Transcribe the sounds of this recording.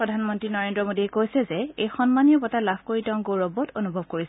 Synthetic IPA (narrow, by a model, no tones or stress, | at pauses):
ɹɔdʱanmɔntɹinɔɹendɹɔmodiɛkojsɛzɛejxɔnmanijɔbɔtalabʱkoɹitɛʊ̃ŋɡoɹɔbɔtonubʱɔb̚koɹis